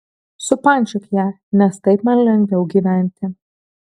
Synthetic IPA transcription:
sʊpɑnʲt͡ʃʲʊkjæː | nʲɛst̪ɐɪpmɐnlʲɛŋɡʋʲɛʊɡʲiːʋʲæˑnʲt̪ʲɪ

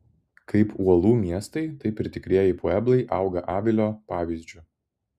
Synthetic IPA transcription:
kʰɐɪpuɔlˠuːmʲiɛst̪ɐɪt̪ɐɪpʲɪɾʲt̪ʲɪkɾʲiːjɛpuːɛblˠɐɪʔɐˑʊɡɐʔɑːʋʲɪlʲoːpɑːʋʲiːzʲd͡ʒʲʊ

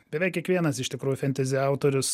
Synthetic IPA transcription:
bʲɛʋʲɛɪkʲiɛkʋʲiɛnɐsɪʃʲt̪ʲɪkɾuːjʊfʲɛnʲt̪ʲɛzʲɪɑˑʊt̪oːɾʲʊs

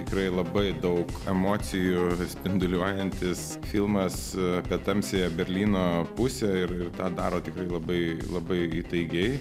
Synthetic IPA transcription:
t̪ʲɪkɾɐɪlˠɐbɐɪd̪ɐʊkɛmoːtsʲɪjusʲpʲɪnd̪ʊlʲuɔjɛnʲt̪ʲɪs | fʲɪlˠmɐspʲiɛt̪ɐmʲsʲeːjɛbʲɛɾʲlʲiːnoːpʊsʲɛɪɾɪrt̪ɑːd̪ɑːɾoːt̪ʲɪkɾɐɪlˠɐbɐɪlˠɐbɐɪiːt̪ɐɪɡʲɛɪ

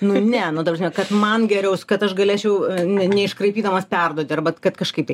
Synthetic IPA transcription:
nʊnʲɛnʊt̪ɐprɐsʲmʲɛkɐt̪mɐnɡʲɛɾʲɛʊskɐt̪ɐʃɡɐlʲeːt͡ʃʲɛʊnʲɛnʲɛɪʃkrɐɪpʲiːd̪ɐmɐspʲɛrd̪uɔt̪ʲɪɐrbɐkɐt̪kɐʃkɐɪp̚t̪ɐɪ

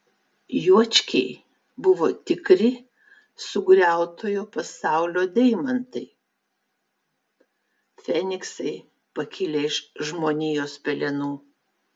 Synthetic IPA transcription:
juɔt͡ʃʲkʲɛɪ | bʊʋoːt̪ʲɪkɾʲɪ | sʊɡɾʲæˑʊt̪oːjoːpɐsɑˑʊlʲoːd̪ʲɛɪmɐnt̪ɐɪ | fʲɛnʲɪksɐɪ | pɐkʲɪlʲeɪʃʒmoːnʲiːjoːspʲɛlʲɛnuː

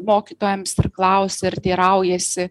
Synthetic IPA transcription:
moːkʲiːt̪oːjɛmsɪrklˠɐʊsʲɛɪɾt̪ʲiːɾɐʊjɛsʲɪ

